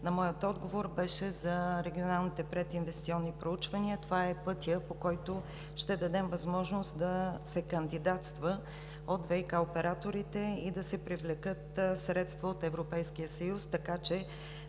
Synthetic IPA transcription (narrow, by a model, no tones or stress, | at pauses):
nɐmɔjət̪ɔd̪ɡovoɾbɛʃɛzɐɾɛɡʲionalˠnit̪ɛpɾɛt̪invɛst̪siɔnːipɾout͡ʃvɐniət̪ovaɛpɤt̪ijəpokɔjt̪o | ʃt̪ɛd̪ɐd̪ɛmvɐzmɔʒnost̪d̪ɐsɛkɐnd̪id̪at̪st̪və | ot̪vɛjkaopɛɾat̪oɾit̪ɛid̪ɐsɛpɾivlɛkɤt̪sɾɛt̪st̪voot̪ɛvɾopɛjsk̟ijəsɐjust̪ɐkat͡ʃɛ